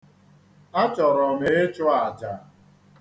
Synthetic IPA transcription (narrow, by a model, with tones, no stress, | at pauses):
a˦t͡ʃɔ˨ɾɔ˨me˨e˦t͡ʃʊ˦a˨d͡ʒa˨